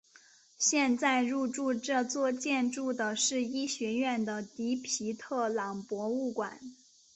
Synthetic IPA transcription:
ɕjɛ˥˧nt͡sa˥˧ɪɻu˥˧ʈ͡ʂu˥˧ʈ͡ʂɤ˥˧t͡swɔ˥˧t͡ɕjɛ˥˧nʈ͡ʂu˥˩d̪ə˩ʂɻ̩˥˧i˥ɕɥɛ˧˥ɥɛ˥˩nd̪ə˩t̪i˧˥pʰi˧˥t̪ʰɤ˥˩lɑ˨˩ŋpwɔ˧˥u˥˩kwa̰˨˩˦n

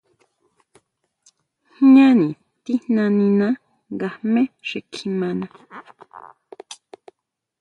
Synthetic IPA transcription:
hɲã˦nĩ˨ | t̪i˦nã˧nĩ˧nã˦ | ɡa˨hmẽ˦ʂe˨kʰi˧mã˧nã˨

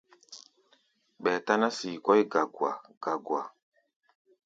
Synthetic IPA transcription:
ɓɛː˨ta˦na˦siː˨kɔ˦jɡa˨ɡwa̰˨ɡ̥a˨ɡwa˨

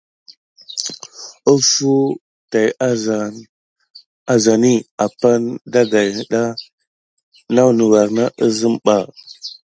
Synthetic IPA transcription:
ə˦fu˦ | ta˨j | a˨za˨ni˦a˨pa˦nda˦ɡa˨jhə˨ɗa˦ | na˦wnu˨wa˨ɾna˦ʔə˦zə˦mɓa˨

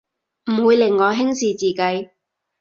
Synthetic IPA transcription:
m̩˨˩wuː˨˧jlɪ˨˩ŋːɔː˨˧ɦɪ˥ŋsiː˨t͡siː˨kɐ˧j

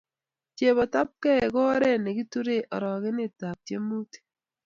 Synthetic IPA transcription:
t͡ʃe˨βɔ˨ta˦p̚kɛ˦˨kɔ˦ɾɛ˦˨ne˨ɡi˦tu˦ɾe˦˨ʔɔ˨ɾɔ˨ɣe˦ne˦ta˨p̚t͡ʃe˦mu˦te̥˨

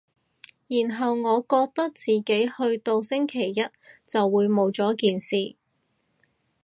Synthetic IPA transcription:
jiː˨˩nɦɐ˨wŋɔː˨˧kɔː˧k̚t̪ɐ˥k̚t͡siː˨ke˨˥jhɵ˧ɥt̪o˧wsɪ˥ŋkʰe˨˩jːɐ˥t̚t͡sɐ˨wːuː˨˧jmo˨˧wt͡sɔː˨˥kiː˨nsiː˨

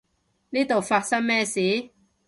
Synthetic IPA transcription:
niː˥t̪o˨˩wfaː˧t̚sɐ˥ŋmɛː˥siː˨˦

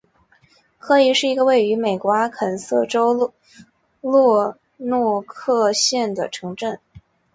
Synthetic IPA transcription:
kʰɤ˧˥i˧˥ʂɻ̩˥˩i˧˥ɡə˧we˥˩ɪy˧˥me˨˩ɪkwɔ˧˥kʰə˨˩nsɤ˥˩ʈ͡ʂo˥ʊ | lwɔ˥˧ | nwɔ˥˧kʰɤ˥˧ɕjɛ˥˩nd̪ə˩ʈ͡ʂʰɤ˧˥ŋʈ͡ʂə˥˩n

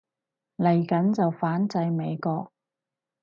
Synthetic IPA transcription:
lɐ˨˩jkɐ˨˥nt͡sɐ˨wfaː˨˥nt͡sɐ˧jme˨˧jkɔː˧k̚

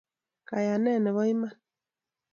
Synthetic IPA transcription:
ka˨ja˨nɛ˦˨nɛ˨βɔ˦i˦ma˦n

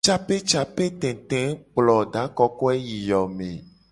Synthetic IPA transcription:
t͡ʃa˦pe˦t͡ʃa˨pe˦t̪ẽ˨t̪ẽ˨˦k͡plɔ˨ɖa˨˦kɔ˦kɔ˦e˦ji˨jɔ˨mḛ̃˨

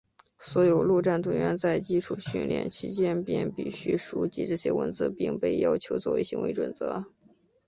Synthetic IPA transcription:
swɔ˧˥jo˨˩ʊlu˥˧ʈ͡ʂa˥˩nt̪wə˥ŋɥɛ˧˥nt͡sa˥˧˩ɪt͡ɕi˥ʈ͡ʂʰu˨˩ɕy̰˥˩nljɛ̰˨˩nt͡ɕʰi˧˥t͡ɕjɛ˥npjɛ˥˩npi˥˨˩ɕy˥ʂu˧˥t͡ɕḭ˥ʈ͡ʂɤ˥˩ɕjɛ̰˥wə̰˧˥nt͡sɹ̩˥˧˥pi˥˧ŋpe˥˩ɪjɑ˥ʊt͡ɕʰjo˧˥ʊt͡swɔ˥˩we˧˥ɕi˧˥ŋwʔe˧˥ɪʈ͡ʂwə˨˩nt͡sɤ˧˥

